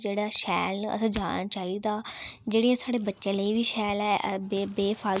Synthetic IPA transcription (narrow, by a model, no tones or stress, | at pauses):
d͡ʒeːɽaːʃɛːlə̰sãːd͡ʒaːɽ̃aːt͡ʃaːiːd̪aːd͡ʒeːɽijãːsaːɽeːbətːʃẽːləiːʋiːʃɛːlɛːbebeːpʰaː